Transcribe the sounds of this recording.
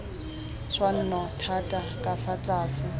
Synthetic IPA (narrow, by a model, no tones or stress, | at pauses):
swan̩ːnɔtʰatʼakʼafat͡ɬʼaːsɪ